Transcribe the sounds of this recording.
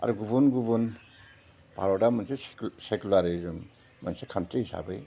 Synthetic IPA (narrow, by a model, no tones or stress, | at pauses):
a̰ɾuɡubunɡubun | bʱa̰ɾɔdamansesekulaɾiɾɯm | mansekʰantʰiisa̰bɯj